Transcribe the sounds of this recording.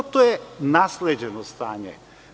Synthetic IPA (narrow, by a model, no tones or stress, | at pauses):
t̪oɛnaslɛd͡ʒɛnɔst̪aɲɛ̰